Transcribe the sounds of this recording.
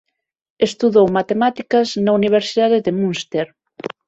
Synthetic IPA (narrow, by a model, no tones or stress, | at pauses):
est̪uðowmat̪emat̪ikɐznauniβ̞eɾsiðaðeðemunst̪eɾ